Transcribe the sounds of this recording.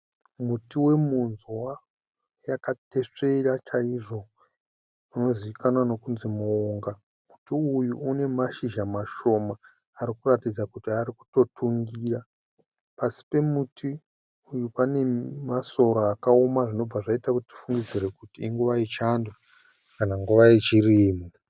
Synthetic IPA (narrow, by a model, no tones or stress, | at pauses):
mutiwe̞munzwa | jakate̞ʂe̞rat͡ʃaiʐo̞ | uno̞ziʋikanwano̞kunzimuoŋɡa | mutiujuːne̞maʃiʒamaʃo̞maː | ɾikuratid͡zakutiaɾiku̥to̞tʰuŋɡiːra | pasi̥pe̞mutʰi | ujupane̞maso̞ɾoakaomaʐino̞b͡vaʐaitakutiti̥fuŋɡid͡ziɾe̞kutiiŋɡuʋait͡ʃanda | kanaŋɡuʋaet͡ʃiriːmu